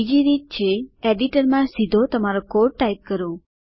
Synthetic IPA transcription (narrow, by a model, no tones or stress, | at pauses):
id͡ʒiɾit̪̚t͡ʃʰeeɖiʈəɾmãsid̪ʱot̪əmaɾokoɾʈʈːajp̚kəɾõ